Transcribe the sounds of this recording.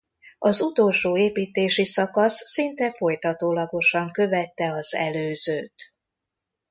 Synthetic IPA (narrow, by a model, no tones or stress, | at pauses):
ɒzut̪o̞lʃoːeːpiːt̪eːʃisɒkɒsːint̪ɛfo̞jt̪ɒt̪oːlɒɡo̞ʃɒŋkø̞vɛt̪ːɛɒzɛ̰løːzøːt̪